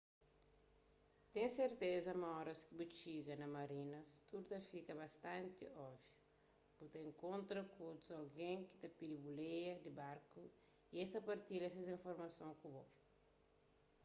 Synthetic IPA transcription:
t̪ẽŋseɾt̪ezɐmɐɔɾɐskibut͡ʃiɡɐnɐmɐɾinɐst̪uɾut̪ɐfikɐbɐst̪ãnt̪iɔvju | b̥ut̪ẽŋkõnt̪ɾɐkod̪uzɐlɡẽŋki̥t̪ɐpilibulejɐd̪ibaɾku | iest̪ɐpɐɾt̪ilɐs̬ɐzĩfoɾmɐsõkubo

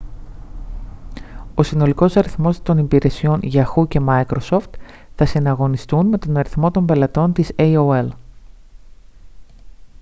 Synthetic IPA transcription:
o̞sino̞liko̞sɐɾiθmo̞st̪o̞nipiɾe̞sio̞nʝɐxuce̞mɐjkɾo̞so̞ft̪ | θɐsinɐɣo̞nist̪unme̞t̪o̞nɐɾiθmo̞t̪o̞mbe̞lɐt̪o̞nt̪isejoel

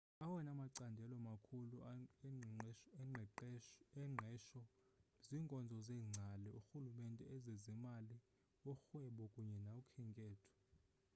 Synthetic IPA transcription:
awɛnamaǀandʱɛlɔmakʰulu | ɛŋ͡ǀʱɛʃɔziːŋkʼɔnd͡zʱɔzɛːŋ͡ǀʱalɛuxulumɛntʼɛɛzezimali | ɔxwɛɓɔkʼuɲɛnaukʰɛŋkʼɛːtʰɔ̥

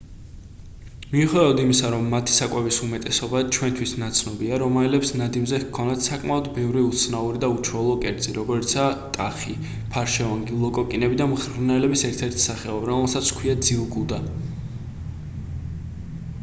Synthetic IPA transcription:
miuχwɛd̪ad̪imisaɾɔmːat̪ʰi̥sakʼwɛvisumɛt̪ʼɛsɔbat͡ʃʰwɛnt̪ʰwisnat̪sʰnɔbiaɾɔmalɛpsnad̪imzɛkʰːɔnd̪at̪ʰsakʼmaɔd̪bɛvɾiut̪sʰnauɾid̪aut͡ʃʰɾɔlˠɔkʼɛɾt̪zʼiɾɔɡɔɾit̪sʰat̪ʼaχi | pʰaɾʃɛɔŋɡilˠɔkʼɔkʼinɛbid̪amχɾnɛlɛbisɛɾt̪ʰɛɾt̪ʰi̥saχɛɔbɾɔmɛlˠsat̪sʰkʰwiad̪ziuɡud̪a

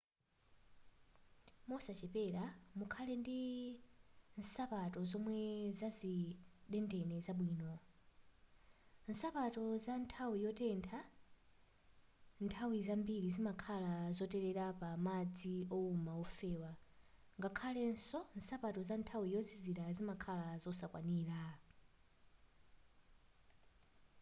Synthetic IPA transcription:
mɔsat͡ʃɛpɛɾamukʰalɛndi | n̩sapatɔzɔmwɛzaziɗɛndɛnɛzaɓwiːnɔ | n̩sapatɔzantʰawijɔtɛntʰa | ntʰawizambiɾizimakʰalazɔtɛɾɛɾapamad͡ziɔumawɔfɛːwa | ŋɡakʰalɛnsɔn̩sapatɔzantʰawijɔziziɾazimakʰalazɔsakwaniːɾa

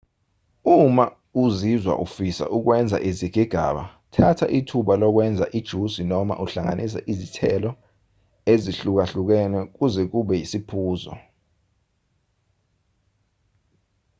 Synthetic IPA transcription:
uma | uzizwa̰ʔufisa̰ʔuk̬wɛnd͡zʱa̰ʔiziɡ̥ʱiɡ̥ʱa̰ɓa̰ | tʰatʰa̰ʔitʰuɓalɔk̬wɛnd͡zʱaʔid̥ʒ̥ʱusinɔma̰ʔuɬaŋa̰nʔis̬a̰ʔizitʰɛlɔ | eziɬuk̬aɬuk̬ɛnɛk̬uzɛk̬uɓɛjisipʰuːzɔ̰

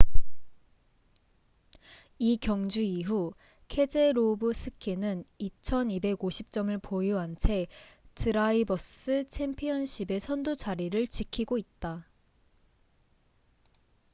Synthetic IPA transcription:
ikjʌŋd͡ʑuiɦu | kʰe̞d͡ʑe̞ɾobɯsʰɯkʰinɯnit͡ɕʰʌnibe̞ɡoɕʰip̚t͡ɕ͈ʌmɯɭpojuɦant͡ɕʰe̞tʰɯɾaibʌs͈ɯt͡ɕʰempʰiʌnɕʰibe̞sʰʌndud͡ʑaɾiɾɯɭt͡ɕikʰiɡoit̚t͈a

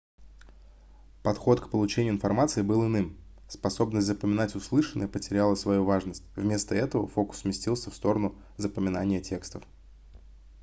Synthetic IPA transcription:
pɐt̪xo̞t̪kpəlˠʊt͡ɕenʲɪʊːɪnfɐrmat̪sɨɪbɨlˠɨnɨm | spɐso̞bnəsʲt̪ʲzəpəmʲɪnatʲʊslˠɨʂənːə̰jəpətʲɪɾʲalˠəsvɐjuvaʐnəsʲtʲvmʲe̞st̪əɛt̪əvə̰fo̞kʊ̥smʲɪsʲtʲilˠsʲəfst̪o̞ɾənʊ | zəpəmʲɪnanʲɪjətʲekst̪əf

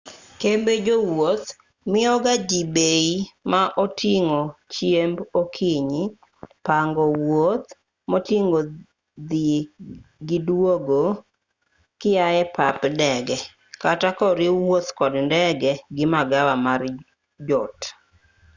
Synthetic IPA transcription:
kembed͡ʒowot̪ | mɪɔɡad͡ʒibeimaʔotʰiŋot͡ʃjembokʰiɲi | paŋɡɔwot̪ | motiŋo | d̪i | ɡɪdwoɡo | kɪajɛpapdɛɡɛ | katakɔɾiwot̪kɔdndɛɡɛɡɪmaɡawamar | d͡ʒɔt

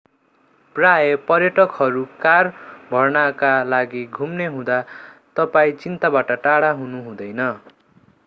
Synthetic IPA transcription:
prajʌpʌrjʌʈʌkɦʌɾukarbʱʌrnakalaɡiɡʱumneɦũd̪at̪ʌpaĩt͡sint̪abaʈʌʈaɽaɦunuɦũd̪ʌjnʌ

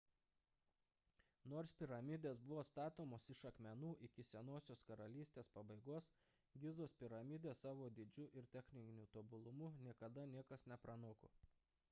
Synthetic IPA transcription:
noːɾspʲɪɾɐmʲɪd̪ʲeːs̬bʊʋoːst̪ɑːt̪oːmoːsɪʃɐkmʲɛnuːʔɪkʲɪsʲɛnoːsʲoːskɐɾɐlʲiːsʲt̪ʲeːspɐbɐɪɡoːs | ɡʲɪzoːspʲɪɾɐmʲɪd̪ʲeːsɑːʋoːd̪ʲɪd͡ʒʲʊʔɪɾt̪ʲɛxʲnʲɪnʲuːt̪oːbʊlˠʊmʊnʲiɛkɐd̪ɐnʲiɛkɐsnʲɛpɾɐnoːko̰ː

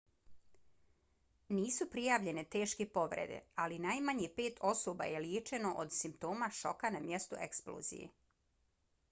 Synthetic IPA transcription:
niːsupɾijaːʋʎe̞ne̞t̪e̞ːʃkepo̞ʋɾḛd̪ḛalinaːjmaɲepe̞ːt̪ʰo̞soːba̰je̞ljeːt͡ʃe̞no̞ʔod̪simpt̪o̞ːmaʃo̞̰kanamjest̪ṵʔe̞ksplo̰ːzḭjḛ

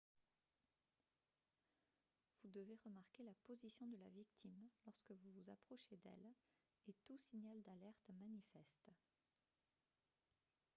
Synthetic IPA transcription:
vud̪əveʁəmaʁkʲelapozisjɔ̃d̪əla̰vikt̪ʰimlɔʁskəvuvuza̰pχɔʃed̪ɛ̰l | et̪usiɲald̪alɛʁt̪manifɛst̪

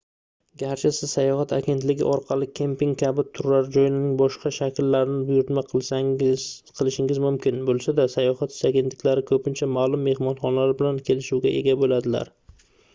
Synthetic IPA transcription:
ɡʲaɾt͡ʃʰɪsɪzsajɒɦat̪ʰaɡʲe̞nt̪lɪɡʲɪ̰ʔɒɾqʰɑlˠɪkʲʰe̞mpɪŋkʲʰabɪt̪ʰʊɾlaɾd͡ʒɒjnɪnɪŋbɒʃqɑʃakʲɪlːaɾɪnɪbʊjʊɾt̪ma | qʰɨlˠɪʃɪŋʲɪzmʊmkʲɪnbolˠsad̪asajɒhat̪ɪ̥ʃaɡʲet̪lɪkʲlaɾɪkʰɵpʰɪnt͡ʃʰamaːlˠʊmːe̞hmɒnχɒnlaɾɪbɪlankʲʰe̞lɪʃuwɡʲaʔe̞̰ɡʲabolad̪ɪla̰ɾ

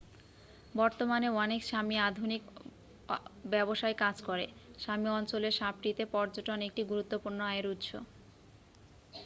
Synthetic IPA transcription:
bɔɾt̪omaneɔnekʃamiad̪ʱunik | bɛboʃajkad͡ʑkɔɾeʃamiɔnt͡ɕoleɾʃap̚ʈit̪epɔɾd͡ʑoʈonek̚ʈiɡuɾut̪ːopuɾnoaeeɾut̪ʃo̰

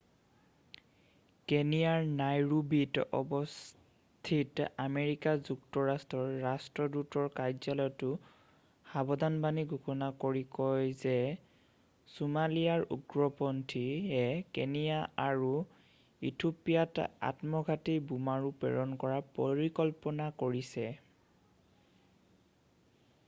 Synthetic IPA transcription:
kenijaɹnajɹubitɔ̰bɔs | t̪ʰitameɹikazuk̚tɔɹastɹɔɹːastɹɔdutɔɹkajzalɔjtʊ | xabɔdanbaniɡʱukʰɔnakoɹikɔjzɛ | sumalijaɹṵɡɹɔpɔntʰiɛkḛnijaaɹu | itʰopijata̰tmɔɡʱatibumaɹupɛ̰ɹɔnkɔɹapɔɹikɔlpɔnakoɹisɛ

